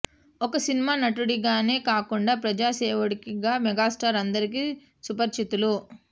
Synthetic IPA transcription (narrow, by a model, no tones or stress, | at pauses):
ɔkɐsinimaːnɐʈuɽiɡaːne̞ːkaːkuɳɖaːpɾɐd͡ʒaːseːʋuɽikiɡaːmɛɡaːsʈaːɾɐnd̪ɐɾik̬i | supɐɾt͡ʃit̪ulu